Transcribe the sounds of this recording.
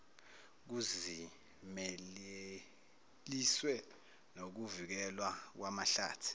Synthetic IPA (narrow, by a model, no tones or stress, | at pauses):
k̬uzi | mɛle | liswɛ | nok̬uvik̬ɛlwak̬wamaɬa̰ːtʰi̥